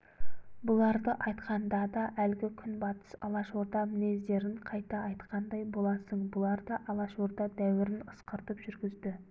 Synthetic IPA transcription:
bʊlˠɑɾd̪əʔɑjt̪qɑnd̪ɑd̪ɑʔælɡʲɪkʲʰʏnbɑt̪ə̥sɑ̰lˠɑʃoɾd̪ɑmɪne̞zd̪e̞ɾɪɴqʰɑjt̪ɑːjt̪qɑnd̪ɑjbolˠɑsəɴbʊlˠɑɾd̪ɑʔɑlˠɑʃoɾd̪ɑd̪æwɪɾɪnəsqəɾt̪əpʒ̥ʏɾɡʲɪzd̪ɪ

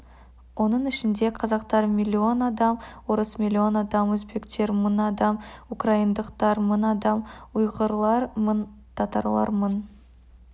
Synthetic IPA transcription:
wo̞nəɴɪʃɪnd̪e̞qʰɑzɑqt̪ɑɾmʲilʲːio̞nɑd̪ɑmwo̞ɾəsmʲilʲːio̞nɑd̪ɑmwɵzbe̞kt̪e̞ɾmənɑd̪ɑmukraind̪əqt̪ɑɾmənɑd̪ɑmujʁəɾlˠɑɾmən | t̪ʰɑt̪ɑ̰ɾlˠɑ̰ɾmən

